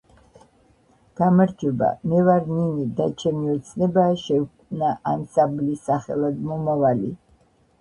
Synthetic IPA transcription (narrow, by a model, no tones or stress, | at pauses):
ɡ̥amaɾd͡ʒɔba̰mɛvaɾninid̪at͡ʃʰɛmiɔt̪sʰnɛbaːʃɛknaʔamsamblisaχɛ̰lˠad̪mɔmavalḭ